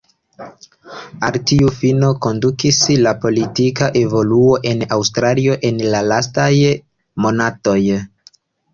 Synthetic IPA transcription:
altiufino̞ko̞ndukislapo̞litikaʔe̞vo̞luo̞ʔe̞nawstɾalio̞ʔe̞nlalastaj | mo̞nato̞j

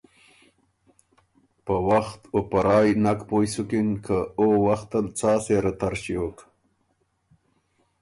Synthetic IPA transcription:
pəwaxt̪opaɾɑːjnakpojsukinkʰəowaxt̪alt͡sɑːseɾat̪aɾɕiok

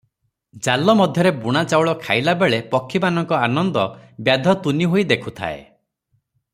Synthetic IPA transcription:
d͡ʒalɔmɔd̪ʱjɔɾebuɽ̃at͡ʃawɭɔkʰajlabeɭepɔkʰːimanɔŋkɔanɔnd̪ɔbjad̪ʱɔt̪uniɦojd̪ekʰut̪ʰa̰ḛ

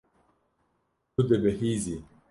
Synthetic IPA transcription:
ud̪ebɛhizi

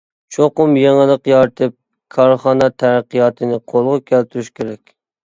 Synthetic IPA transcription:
t͡ʃʰoqʊmjeŋɪlˠəqjɑɾt̪ʰɨp̚ | kʰɑɾχɑnɑt̪ʰæɾəqijɑːt̪ʰɨnɪqʰolˠʁʊkʲʰælt̪ʰyɾyʃkʲʰeɾɛkʲ

